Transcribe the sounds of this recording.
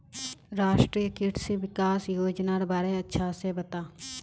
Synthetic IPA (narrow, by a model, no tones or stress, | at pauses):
ɾaːʃʈɾiːjəkiʈsiʋɪkaːsjoːd͡ʒnaːɾbaːɾeɐtːʃʰasebɐt̪aː